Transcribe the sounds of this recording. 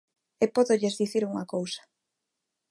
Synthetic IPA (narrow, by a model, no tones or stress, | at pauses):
epɔðoʎezðiθiɾuŋakowsḁ